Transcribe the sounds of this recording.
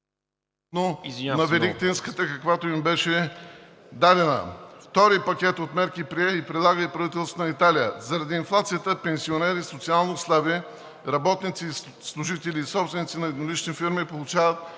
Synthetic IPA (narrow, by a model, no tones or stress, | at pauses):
nonɐvɛɾikt̪inskət̪əkɐkvat̪oimbɛʃɛ | d̪ad̪ɛnə̰ft̪ɔɾipɐkʲɛt̪ot̪mɛɾkipɾiɛipɾɛd̪lˠaɡəipɾɐvit̪ɛlˠst̪ot̪nɐit̪alijə̰zɐɾɐd̪iːnflˠat̪sijət̪əpɛnsionɛɾisot̪sialˠnost̪avə | ɾɐbɔt̪nit̪si | slˠʊʒit̪ɛliːsɔpst̪vɛnit̪sinɐɛd̪nolit͡ʃnifiɾmipolˠʊt͡ʃavət̪̚